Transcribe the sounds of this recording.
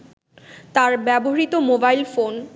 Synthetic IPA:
t̪aɾbɛboɾit̪omobajlfon

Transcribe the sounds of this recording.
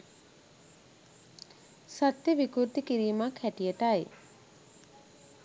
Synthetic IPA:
sat̪jəʋikuɾt̪ikiɾiːmakhæʈijəʈaj

